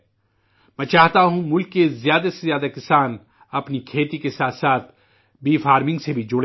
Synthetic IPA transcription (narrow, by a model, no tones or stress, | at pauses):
mɛ̃ːt͡ʃaːɦt̪aɦũmʊlkːezjaːd̪asezjaːd̪akɪsaːn | ɐpnikʰeːt̪ikesaːt̪saːt̪ʰ | biːfaːɾmɪ̃ŋɡsebʱid͡ʒʊɽ